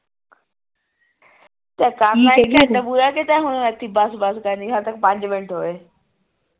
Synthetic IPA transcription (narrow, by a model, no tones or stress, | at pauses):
t̪ɐkaːãɐt̪ɐbuːɾaket̪aɦʊɽ̃ɐt̪ʰibaːsbaːskɐ̃nd̪iɦɐɾt̪ɐkpɐ̃ɲd͡ʑʋɪ̃ɳʈɦoeː